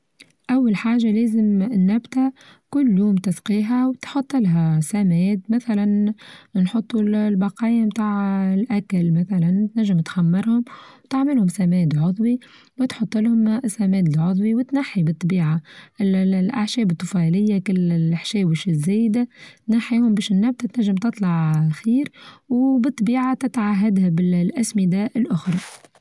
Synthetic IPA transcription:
ʔawːalħaːʒaleːzɪmnːabt̪akʊlːjuːmt̪ɑsqiːɦawt̪ħɑt̪ˤːɪlɦasamɛːd̪maθalannħot̪ˤːulbɑqɑːjamt̪aːʕɪlʔakalmæθalant̪næʒːɪmt̪xamːɑɾhʊmwt̪aʕmɪlhʊmsamɛːd̪ʕʊðˤwi | wɪt̪ħʊt̪ˤːəlhʊmsːæmɛːd̪ɪlʕʊðˤwiwɪt̪naħːibɨt̪ˤːbiːʕaʔɪlʔa̰ʕʃɛːbɨt̪ˤːʊfɑlɪjːakɪlːħʃɛːwɪʃɪzːeːjd̪at̪naħiːhʊmbɛːʃnːæb̚t̪at̪næʒːɪmt̪ɨt̪ˤlɑʕxiːɾwbɨt̪ˤːbiːʕat̪ɪt̪ʕaɦːad̪habɪllʔæsmɪd̪aʔɪlʔʊxɾˤɑ

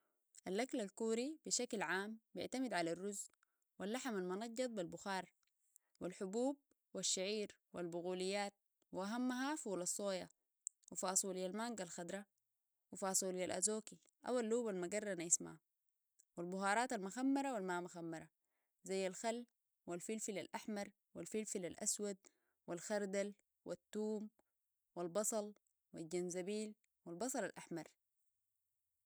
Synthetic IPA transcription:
ʔalʔaklalkuːɾib̥iʃaklʕaːmbɪ̰ʕt̪amid̪ʕalarːuz | walːaħmalmʊnɑɟːɑt̪̚ˤbilbʊxɑːɾˤ | wilħʊbuːb̚ | waʃːaʕiːɾ | wḭlbʊɣuːlijːaːt̪̚ | wiʔaɦamːaɦafuːlɑsˤːoːja | wifɑːsˤuljalmaŋɡalxad̪ɾˤɑ | wifɑːsˤuljalʔa̰zoːki | ʔa̰walːuːbalmaɡɑrˤːɑnajisma̰ | wilbʊɦɑːɾˤɑːt̪almuxamːɑɾˤawilmaːmaxamːɑɾˤa | zajːalxalː | wilfilfilalʔaħmɑɾˤ | wilfilfilalʔaswad̪̚ | wilxɑɾˤd̪al | wʔḭt̪ːuːm | wilbɑsˤɑl | wilɟanzabiːl | wilbɑsˤɑlalʔaħmɑɾˤ

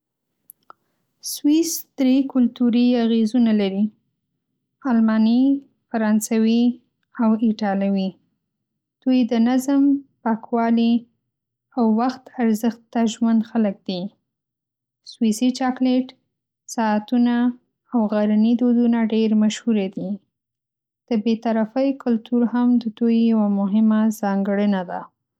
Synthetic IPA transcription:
swisd̪̥ɾekʊlt̪uɾiaɣezunalaɾi | ɑlmɑni | faɾɑnsawi | awɪʈɑlawi | d̪̥ujd̪ənazəmpɑkwɑli | awːaxt̪aɾzəxt̪ːaʒwand̪xalək̚d̪̥i | swisit͡ʃɑkleʈ | sɑːt̪unaː | wɣaɾanid̪od̪unaɖeɾmaʃhuɾed̪i | d̪̥əbet̪aɾafəjkʊlt̪uɾhamd̪əd̪ujːawamʊɦɪmazɑŋɡəɽənad̪a̰

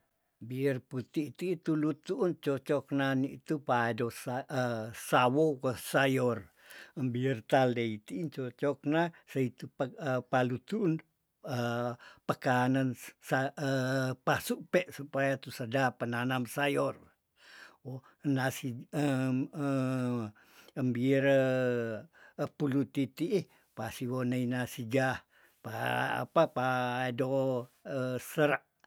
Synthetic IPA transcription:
biərput̪it̪it̪ulut̪uʔunt͡ʃot͡ʃɔk̚nanit̪upados | sawowəsajɔr | əmbiərt̪aldeit̪iint͡ʃot͡ʃɔk̚nasait̪uppalut̪uʔːn | əpəkanansaəpasuʔpeʔsupajat̪usədapənanamsajɔr | o | nasiəə | əmbiɾə | pulut̪it̪iʔi | pasiwonəinasiɡah | paa̰papaedoəsəɾaʔ

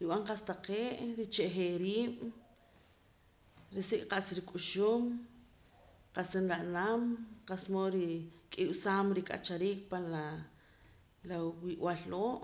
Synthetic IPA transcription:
ɾiɓaɴqast̪aqeːʔɾit͡ʃeʔχeɾiːɓ̥ | ɾisiʔqaʔsɾikʼuʃuːm | qasinɾaʔnamqasmoɾikʼiwsaːmɾikʼa̰t͡ʃaɾiːkpanla | lawiʔwalːoːʔ

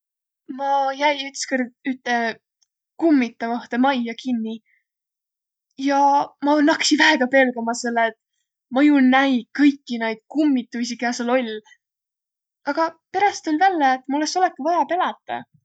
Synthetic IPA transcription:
mɑjæjyt̪skerd̪yt̪ːˑe | kumːit̪ːˑɑvɑht̪e̞mɑjːɑkinːi | jɑmɑonɑksivæeɡ̥ɑpe̞lɡ̥ɑmɑselːeet̪ | mɤjunæjkɤjkːinejd̪̥̚kumːit̪ːˑusikæːselo̞lʲ | ɑɡ̥ɑpe̞ɾɑst̪ːulʲvælːeet̪ːˑmulːeso̞lekːivɑjɑpe̞lɑt̪ːˑɑ̰

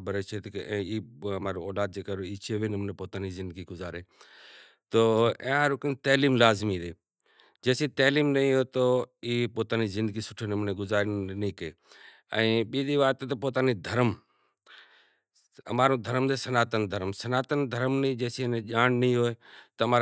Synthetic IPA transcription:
bəɾeːt͡ʃʰeːt̪kɛ̃ːiːəmaːɾõːoːlaːd̪̚d͡ʒeːkaːɾoiːt͡ʃʰeʋiːnɪmnẽːpoːt̪aːnizɪ̃nd̪ɡiːɡʊzaːɾeː | t̪oːẽːɾʊkənt̪əːliːmlaːzmiːd̪eː | d͡ʒeːsiːt̪əːliːmnəĩɦoːt̪oiːpoːt̪aːniːzɪ̃nd̪əɡiːsʊ̥ʈʰeːnəmnẽːɡʊzaːɾniːkeː | ɛ̰̃ːɓiːd̪iːʋaːt̪ːt̪əpoːt̪aːniːd̪ʱəɾəm | ə̰maːɾõːd̪ʱəɾəmd̪eːsənaːt̪ənd̪ʱəɾmsənaːt̪ənd̪ʱəɾmnəĩːd͡ʒɛːsiːnẽʄaːnnəĩɦoːet̪əmaː

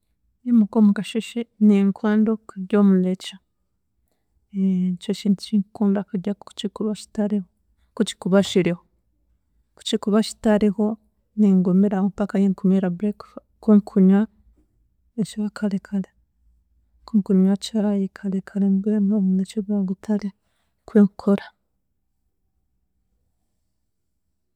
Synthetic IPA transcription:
jemukomukaʃuʃeniŋkwaːndokuɟomulet͡ʃa | t͡ʃot͡ʃint͡ʃiŋkuːndakuɟau̥t͡ʃikuβat͡ʃi̥taɾiho | kut͡ʃi̥kuβaʃiɾiho | ku̥t͡ʃikuβat͡ʃi̥taɾiho | niŋɡomeɾamupakajeŋkumeɾabɾek | kweŋkʰuɲwa | et͡ʃiβakʰalekʰale | kuŋkuɲwat͡ʃaajikʰalekʰalembɾenaβunet͡ʃiβaɡutʰale | kweŋkʰoɾa

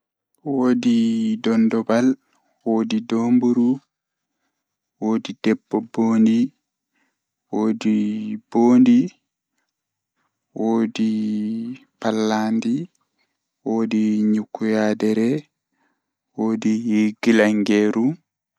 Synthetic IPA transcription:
woːdidɔndɔbal | woːdidoːmbuɾu | woːdid̥ɛbːɔboːndi | woːdib̥oːndi | woːdi | palːandi | woːdiɲukːujaːdɛɾɛ | woːdihiɡilaŋɡɛɾu

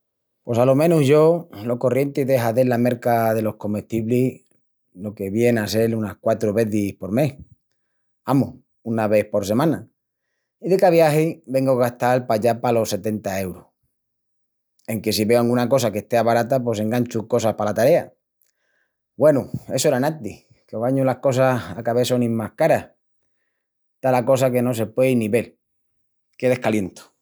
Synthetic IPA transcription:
pwo̞salo̞mẽ̞nuhʝo̞lo̞ko̞rje̞nt̪iðe̞ɦaðelame̞ɾkaðe̞lo̞hko̞meht̪iβli | lo̞ke̞βje̞nase̞lunahkwat̪ɾuβe̞θihpo̞ɾme̞h | amo | unaβe̞hpo̞ɾs̬e̞mãna | iðe̞kaβ̞jahibe̞ŋɡoɣast̪alpaʎapalo̞sːe̞t̪e̞nt̪ae̞wɾoh | e̞ŋke̞siβe̞oaŋɡunako̞sake̞ht̪eaβaɾat̪ap̬we̞s̬e̞ŋɡant͡ʃuko̞sahpalat̪aɾe̞a | bwe̞nue̞soeɾanat̪i | keɣaɲulahko̞saa̰kaβesonĩmmahkaɾah | t̪alako̞s̬ake̞no̞s̬e̞pwe̞inĩβe̞l | keðe̞hkalje̞nt̪o̥

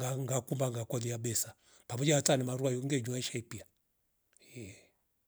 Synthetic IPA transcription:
aŋɡakumbaŋɡakɔðiaɓɛsa | pamɔd͡ʒaatanɛmaɾuajɔŋɡɛɲuaʃaipia | ɛ

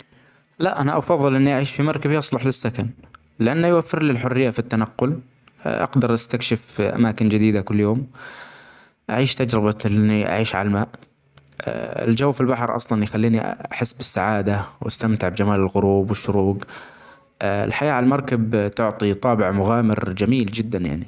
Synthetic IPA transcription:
laʔʔanaʔɑfɑðˤːɨlʔɪnːiʔaʕiːʃfimɑɾˤkabjɑsˤlɑħlɪsːakan | lɪʔanːajwafːɪɾlilħʊrːɪjːafit̪ːanaqːʊl | ʔɑ̰ɡd̪ɑɾˤʔast̪akʃɪfʔa̰maːkɪnd͡ʒɪd̪iːd̪akʊlːjoːm | ʔa̰ʕiːʃt̪ad͡ʒɾɪbalɪnːiʔa̰ʕiːʃʕa̰lalmaːʔ | ɪ̰ld͡ʒawːfilbaħɾˤʔɑ̰sˤlɑnjxalːiːniaħɪsːbɪsːaʕaːd̪awʔa̰st̪amt̪ɪʕbd͡ʒamaːlɪlɣʊɾuːbwɪʃːʊɾuːɡ | ɪ̰lħajaːʕalmɑɾˤkabt̪ʊʕt̪ˤit̪ˤɑːbɪʕmʊɣaːmɪɾd͡ʒamiːld͡ʒɪd̪ːanja̰ʕni

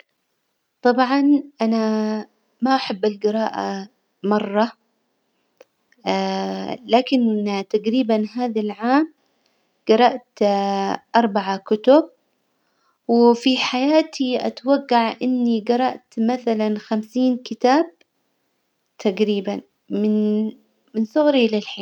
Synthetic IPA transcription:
t̪ˤɑbʕɑnʔana | maʔaħɪbːalɡɨɾˤɑːʔa̰ | mɑrˤːɑ | laːkɪnt̪aɡɾiːbanɦaːðalʕaːm | ɡ̥ɑɾˤɑʔt̪ | ʔɑɾˤbaʕakʊt̪ʊb̚ | wɪfiħajaːt̪ʰiʔa̰t̪waɡːaʕʔɪnːiɡɑɾˤɑʔt̪maθalanxamsiːnkɪt̪aːb̚ | t̪ʰaɡɾiːban | mɪn | mɪnsʊɣɾilɪlħiːn

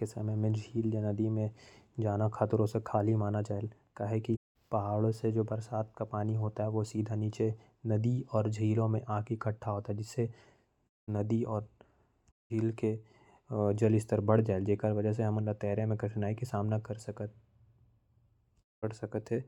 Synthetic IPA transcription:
kesɐməjmẽd͡ʒʱiːljanɐd̪imẽd͡ʒaːnakʰaːt̪ɾõsekʰaːlimaːnad͡ʒaːel | kaːɦeki | pɐɦaːɭosed͡ʒoːbɐɾsaːt̪̚ʰkapaːniɦoːt̪aɦɛʋosiːd̪ʱaniːt͡ʃe | nɐd̪iɔːɾd͡ʒʱiːlõmẽʔãːkikɐʈʰːaɦoːt̪aɦɛd͡ʒɪsːe | nɐd̪iɔːɾ | d͡ʒʱiːlke | d͡ʒɐlɪst̪əɾbɐɽ̤d͡ʒaːeld͡ʒeːkəɾʋɐd͡ʒəɦs̬eɦɐmənɾat̪ɛːɾemẽkɾɪʈnaːikesaːmnakəɾ | kəɾsɐkət̪ɦɛː

